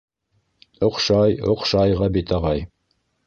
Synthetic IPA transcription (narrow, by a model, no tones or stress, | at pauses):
oqʃɑjoqʃɑjʁɑbit̪ʰɑʁɑj